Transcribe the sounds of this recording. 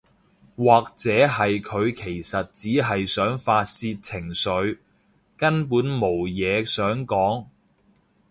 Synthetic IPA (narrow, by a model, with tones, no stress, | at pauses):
waː˨k̚t͡sɛː˨˥ɦɐ˨jkʰɵ˨˧ɥkʰe˨˩jsɐ˨t̚t͡siː˨˥ɦɐ˨jsœː˨˥ŋfaː˧t̚siː˧t̚t͡sʰɪ˨˩ŋsɵ˨˧ɥ | kɐ˥npuː˨˥nmo˨˩wjɛː˨˧sœː˨˥ŋkɔː˨˥ŋ